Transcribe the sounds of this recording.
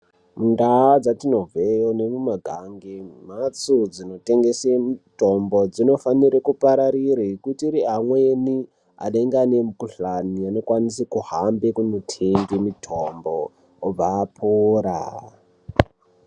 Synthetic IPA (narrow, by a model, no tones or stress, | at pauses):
mundaːd͡zatino̞vʱejone̞mumaɡʱaŋɡem̤at͡sud͡zino̞teŋɡesemutombo̞d͡zino̞faniɾekupaɾaɾiɾekutiɾiɦamweni | a̰ɗeŋɡanemukuɬaniano̞kwanisekuhambekunotʰeŋɡemitʰomboː | b͡vaːpʰoːɾa̰